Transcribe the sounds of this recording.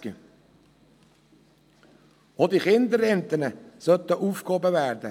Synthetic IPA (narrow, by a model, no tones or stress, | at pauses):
ə | od̪iχɪnd̪əɾɛnt̪ənəsœt̪əʔuːfkhobəʋæːɾd̪ə